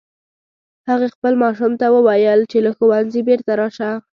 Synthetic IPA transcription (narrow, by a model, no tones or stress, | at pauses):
haɣaxpəlmɑʃumt̪awəwajəlt͡ʃelaxowanzibeɾt̪aɾɑʃa